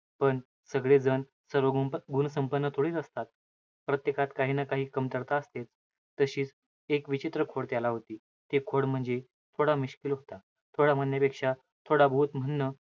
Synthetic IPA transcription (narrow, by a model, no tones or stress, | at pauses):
pəɳ | səɡɭed͡zən | səɾʋəɡɡunsəmpənːət̪ʰoɽiːt̪əst̪at̪̚ | pɾət̪jekʰat̪kaɦiːnakaɦiːkəmt̪əɾt̪aəst̪et͡s | t̪əɕiːt͡s | ekʋit͡ɕit̪ɾəkʰoɽt̪jalaɦot̪iː | t̪ekʰoɽm̤əɳd͡ze | t̪ʰoɽamiɕkilɦot̪a | t̪ʰoɽam̤ənjapekʂa | t̪ʰoɽabəɦut̪m̤əɳːə